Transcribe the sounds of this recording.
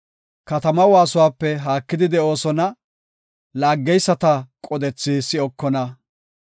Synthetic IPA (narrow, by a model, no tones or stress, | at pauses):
kɐt̪ɐmɐwaːsʊwaːpːɛɦaːkːɪd̪ɪd̪ɛo̞ːsɔnɐ | laːɡːɛjsːɐt̪ɐkʼɔd̪ɛt͡sːisːɪɔkːɔnɐ